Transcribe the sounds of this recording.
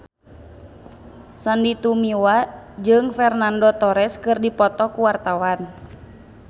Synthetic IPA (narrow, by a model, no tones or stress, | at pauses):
sandit̪umiwad͡ʒɨŋfɛrnandɔt̪ɔɾɛskɨrdipɔt̪ɔkuwart̪awan